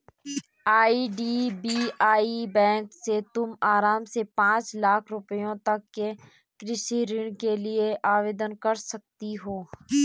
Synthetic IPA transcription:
aːiɖiːbiːaːibɛ̃ːŋkset̪ʊmaːɾaːmsepãːt͡ʃlaːkʰɾʊpəjõt̪ɐkːe | kɾɪʃiɾɪɽ̃kelieʔaːʋeːd̪ənkɐɾsɐk̚t̪iɦoː

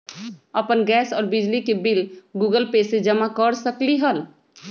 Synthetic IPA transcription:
əpənɡɛːsɔːɾbɪd͡ʒlikebɪlɡuːɡəlpeːsed͡ʒəmakəɾsəkliɦəl

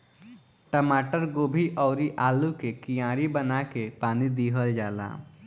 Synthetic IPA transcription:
ʈəmaːʈəɾɡoːbʱiʔɔːɾiʔaːlukekijãːɾibənakepaːnid̪iːɦəld͡ʒaːla̰ː

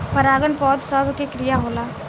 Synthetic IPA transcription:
pəɾaːɡənpɔːd̪səbʱkekɾijaɦoːlaː

